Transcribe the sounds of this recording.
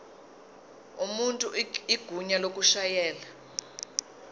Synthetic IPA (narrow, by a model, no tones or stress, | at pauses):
umuntʼuiɡ̥ʱuɲalok̬ʼuʃajɛːla